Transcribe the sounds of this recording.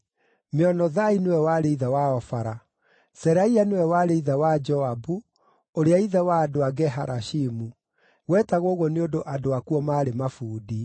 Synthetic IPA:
meɔnɔðainewɛwaɾeiðawaɔfaɾa | sɛɾaianewɛwaɾeiðɛwad͡ʒɔabu | oɾeaiðɛwaːdoaɡɛɦaɾʔaʃimu | wɛːtaɣoːɣoneondoʔadoakuɔmaːɾemafuːdi

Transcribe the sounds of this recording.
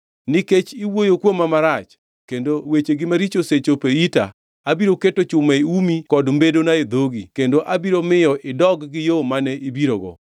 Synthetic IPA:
nɪket͡ʃiwojokwomːamaɾat͡ʃ | kendowet͡ʃeɡɪmaɾit͡ʃoset͡ʃopeita̰ | abiɾoketot͡ʃʊmeeumikɔdmbedonaed̪oɡḭkendoʔabiɾomɪjɔʔɪdɔɡɡɪjomanɛʔibiɾoɡɔ̰

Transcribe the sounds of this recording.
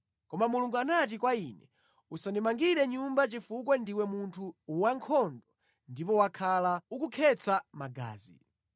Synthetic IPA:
kɔmamuluŋɡuanat̬ikwainɛ | usandimaŋɡiɾɛɲumbat͡ʃifuk̬wɛndiwɛmuntʰuwaŋkʰɔndɔ | ndipɔwakʰalaukukʰɛt͡sʰamaɡa̰ːzi

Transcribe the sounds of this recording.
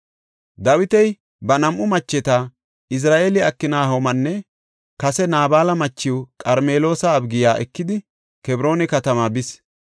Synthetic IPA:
d̪ɐwɪt̪ɛj | bɐnɐmʔʊmɐt͡ʃːɛt̪a | ɪs̬ɾaːʔeːlɪɐkːɪnaːɦomɐnːɛ | kɐsɛnaːbaːlɐmɐt͡ʃːɪwʊkʼɐɾmeːlo̞ːsɐːbɡɪjaːʔɛ̰kːɪd̪ɪ | kɛbɾo̞ːnɛkɐt̪ɐmaːbɪs

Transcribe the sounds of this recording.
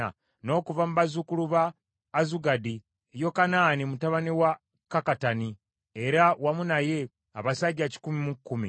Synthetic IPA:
a̰ | no̞ːkuvamuβazukuluβaː | zuɡadi | jo̞kanaːnimutaβaniwa | kakatani | e̞ɾawamunaje̞ | aβasaɟaci̥kumimukːumḭ

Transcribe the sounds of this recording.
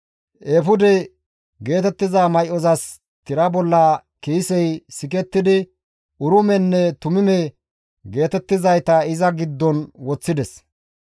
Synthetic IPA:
ʔeːfʊd̪ɛ | ɡe̞ːt̪ɛt̪ːɪzaːmɐjʔɔzɐs | t̪ɪɾɐbɔlːɐ | kiːsɛjsɪk̬ɛt̪ːɪd̪ɪ | ʔʊɾʊmɛnːɛt̪ʊmɪmɛ | ɡe̞ːt̪ɛt̪ːɪzɐjt̪ɐɪzɐɡɪd̪ːɔnwɔt͡sːɪd̪ɛs

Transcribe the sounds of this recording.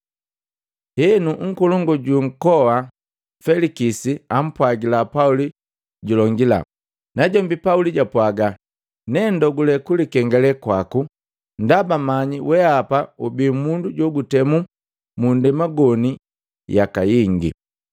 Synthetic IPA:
hɛnuŋ̩kɔlɔŋɡɔɟuŋ̩kɔwa | fɛlikisiam̩pwaɡilapauli | ɟulɔŋɡila̰ | naɟɔmbipauliɟapwaɡa | nɛndɔɡulɛkulikɛŋɡɛlɛkwaku | ndabamaɲiwɛapaubimunduɟɔɡutɛmu | mundɛmaɡɔni | jakajiŋɡḭ

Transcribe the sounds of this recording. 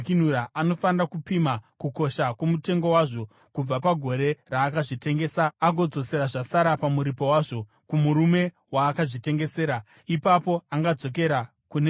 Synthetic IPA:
kinuɾaʔano̞fanirakupimakuko̞ʃakumute̞ŋɡo̞waʐo̞ | kub͡vapaɡʱo̞ɾe̞raːkaʐite̞ŋɡe̞ːsaaɡo̞d͡zo̞se̞ɾaʐasaɾapamuɾipo̞waːʐo̞ | kumuɾume̞ | waːkaʐite̞ŋɡe̞se̞ːɾa | ipapo̞aŋɡad͡zo̞k̬e̞ɾa | kune

